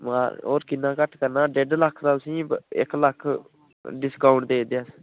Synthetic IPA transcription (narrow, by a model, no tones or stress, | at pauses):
maːoːɾkɪnːãːkəʈʰkəɾnaːɖeɖləkʰɾaːt̪ʊsĩːɪ̰kləkʰ | ɖɪskaːʊɳʈd̪eːd̪eas